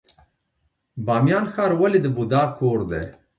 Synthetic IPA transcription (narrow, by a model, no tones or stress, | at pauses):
bɑːmjɑːnxɑːɾwɐlid̪əbud̪ɑːkʰoːɾd̪ḛ